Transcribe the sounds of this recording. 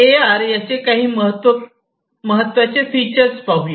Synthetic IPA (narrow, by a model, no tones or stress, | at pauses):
eaɾjat͡sekaɦiːməɦət̪ʋə | məɦət̪ːʋat͡sefit͡ɕəɾspaɦule